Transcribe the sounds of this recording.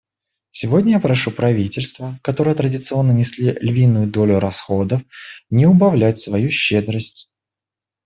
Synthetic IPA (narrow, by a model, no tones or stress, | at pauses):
sʲɪvo̞dʲnʲəjapɾɐʂupɾɐvʲitʲɪlʲst̪vəkɐt̪o̞ɾəjət̪ɾədʲɪt̪sɨo̞nːənʲɪsʲlʲilʲvʲinːʊjʊd̪o̞lʲʊɾɐsxod̪əfnʲɪʊbɐvlʲætʲsvɐjuɕːed̪ɾəsʲtʲ